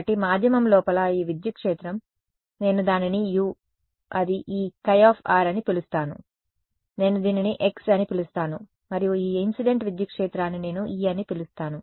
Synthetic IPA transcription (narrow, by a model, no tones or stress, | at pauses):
ʈimaːd̪ʱjɐmɐmlɔːpɐlɐiːʋid̪jɐkʂeːt̪ɾɐm | ne̞ːnud̪aːninijuː | ɐd̪iʔiːkɐjaːpʰaːɾɐnipilust̪aːnṵ | ne̞ːnud̪iːniniʔe̞ksɐnipilust̪aːnu | mɐɾijuiːinsiɖe̞ɳʈʋid̪jɐkʂeːt̪ɾaːnːine̞ːnuʔiːɐnipilust̪aːnu